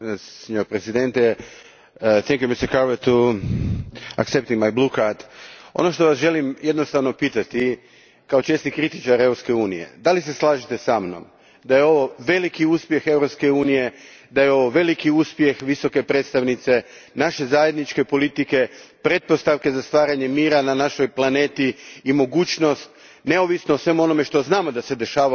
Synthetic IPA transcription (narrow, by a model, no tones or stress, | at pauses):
sɲoɾpɾezid̪ent̪e | θɛŋkjumist̪əɾkaɾʋet̪u | a̰ksept̪iŋɡmajblukaɾt̪o̞̰no̞ʃt̪o̞ʋasʒe̞limje̞d̪no̞st̪aʋno̞pit̪at̪i | kao̞t͡ʃe̞snikɾit̪it͡ʃaɾeɾopske̞uːnije̞̰d̪alis̬e̞slˠaːʒit̪e̞samno̰m | d̪ajeo̞ʋo̞ʋe̞likiuːspje̞xe̞ʋɾo̞pske̞uːnije̞ | d̪ajeo̞ʋo̞ʋe̞likiuspje̞xʋiso̞ke̞pɾed̪t̪st̪aʋnit̪se̞ | naʃe̞zaje̞d̪nit͡ʃke̞po̞lit̪ike̞pɾe̞t̪̚po̞st̪aʋke̞zast̪ʋaːɾaɲe̞miːɾananaʃo̞jplˠane̞ːt̪iːmo̞ɡuːt͡ʃno̞st̪ | ne̞o̞ʋisnoːsʋe̞muo̞no̞me̞ʃt̪o̞znaːmo̞d̪ase̞d̪e̞ʃaːa